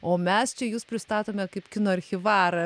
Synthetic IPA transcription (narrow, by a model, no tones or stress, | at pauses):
oːmʲɛst͡ʃʲɛjuːspʲɾʲɪst̪ɑːt̪oːmʲɛkɐɪpkʲɪnoːɐɾʲxʲɪʋɑːɾɐ